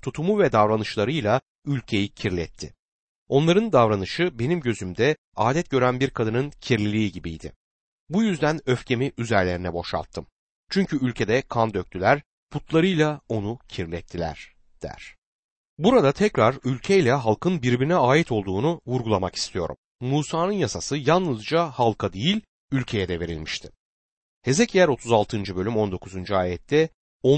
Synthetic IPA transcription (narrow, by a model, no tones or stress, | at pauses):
t̪ʰut̪ʰumuvɛd̪avɾanɯʃlˠaɾɯjlˠa | ylʲcʰe̞jicʰiɾlʲɛt̪ʰːɪ̰ | o̞nlˠaɾɯnd̪avɾanɯʃɯbe̞nimɟø̞zymd̪ɛ | aːd̪ɛt̪̚ɟø̞ɾænbiɾkʰad̪ɯnɯncʰiɾlʲilʲiːɟibijd̪ɪ̰ | bujyzd̪ænø̞fcʰe̞miʔyzæɾlʲe̞ɾinɛbo̞ʃa̰lˠt̪ʰːɯm | t͡ʃʰyɲcʰyylʲcʰe̞d̪ɛkʰand̪øk̚t̪ʰylʲæɾ̥ | pʰut̪ʰlˠaɾɯjlˠao̞nucʰiɾlʲɛt̪ʰːilʲæ̰ɾ̥ | d̪̥æ̰ɾ̥ | buɾad̪at̪ʰɛcɾaɾylʲcʰejlʲɛɦalˠkʰɯnbiɾbiɾinɛaːjit̪ʰo̞lˠd̪uːnuvuɾɡulˠamaki̥st̪ʰijo̞ɾṵmːuːsaːnɯnjasasɯjanlˠɯzd͡ʒahalˠkʰad̪ejilʲ | ylʲcʰe̞jɛd̪ɛve̞ɾḭlʲmiʃt̪ʰɪ̥ | he̞zɛcʰijæɾo̞t̪ʰuzalˠt̪ʰɯnd͡ʒɯbø̞lʲymo̞nd̪o̞kʰuzund͡ʒuaːjɛt̪ʰːɛ | o